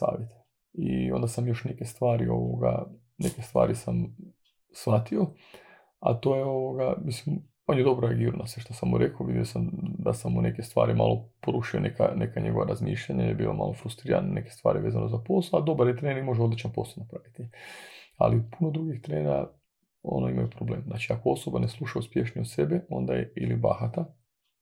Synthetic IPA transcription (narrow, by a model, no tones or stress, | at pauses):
sa̰ːʋjet̪e | io̞̰nd̪asamjo̞ʃnekest̪ʋaːɾio̞ʋoɡa̰ | ne̞kest̪ʋa̰ːɾisam | sʋat̪io | at̪o̞ːjeo̞ʋoɡamislim | onjed̪o̞bɾoeaɡiːɾonʔaseʃt̪osamːuɾekoʋid̪ijosamd̪asamune̞kest̪ʋa̰ːɾima̰lˠopoɾuʃionʔeka̰ne̞kaɲe̞ɡo̞ʋaɾazmḭːʃʎaɲaijebiːloma̰lofɾust̪ɾiːɾa̰nane̞kest̪ʋa̰ːɾiʋe̞ːzanʔo̞zapo̞slˠoad̪o̞baɾjet̪ɾenimo̞ʒeod̪lit͡ʃanpo̞slˠonapɾaʋit̪i | a̰lipunod̪ɾuɡixt̪ɾeːnɾa̰ | o̰noimajupɾoble̞ːmznaːt͡ʃiakoo̞so̞baneslˠuʃauspje̞ʃniod̪se̞beo̞nd̪ajeiliba̰xat̪a